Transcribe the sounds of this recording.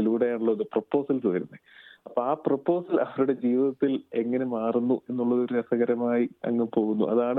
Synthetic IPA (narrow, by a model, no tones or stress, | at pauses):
iluːɽejaːɳuɭːɐðuprɐpːo̞ːsɐlt̪oːjɐɾunːɨɐpːoːaːprɐpːo̞ːsɐlɐʋɐɾuɽe̞d͡ʑiːʋiðɐt̪ːile̞ŋːɐne̞maːrunːuʔe̞nːuɭːɐðo̞ɾuɐsɐɣɐɾɐmaːjiɐ̰ŋːepo̞ːɣunːṵʔɐ̰ðaːɳɨ